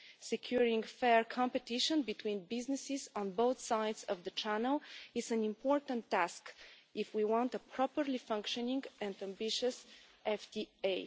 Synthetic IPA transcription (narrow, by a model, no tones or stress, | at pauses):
sɛkʰjuɹĩŋfɛɹkʰɑ̃mpɨtɪʃə̃nbitʰwĩnbɪznɨsɪzɔ̃nboʊθsaɪdzʌvðət͡ʃʰænəlˠɪzæ̃nĩmpʰɔɹtə̃ntːæskʔɪfwiwɑ̃ntəpʰɹɔpəɹlifʌ̃ŋkʃɔ̃nɪ̃ŋɡæ̃ndæ̃mbɪʃɨsʔɛfdie